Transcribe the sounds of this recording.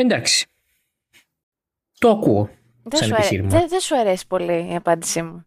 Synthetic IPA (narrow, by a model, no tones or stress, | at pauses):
end̪aksi̥ | t̪oɐkuo | ðeɐuɐɾiɾmeðesuɐɾesi̥po̞liiɐpɐnd̪isimu